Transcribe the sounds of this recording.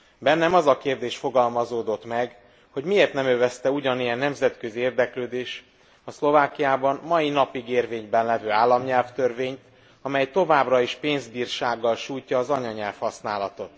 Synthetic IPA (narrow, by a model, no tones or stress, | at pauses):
bɛnːɛmɒzɒkeːrd̪eːʃfo̞ɡɒlmɒzoːd̪o̞t̪mɛɡ | ho̞ɟmieːrt̪nɛmøvɛst̪ɛuɟɒnijɛnːɛmzɛt̪kø̞zieːrd̪ɛkløːd̪eːʃ | ɒslo̞vaːkijaːbɒnmɒjinɒpiɡeːrveːɲbɛnlɛvøːaːlːɒmɲɛlft̪ørveːɲt̪ | ɒmɛjt̪o̞vaːbrɒiʃpeːnzbiːrʃaːɡːɒlʃuːjcɒːzɒɲɒɲɛlfhɒsnaːlɒt̪o̞t̪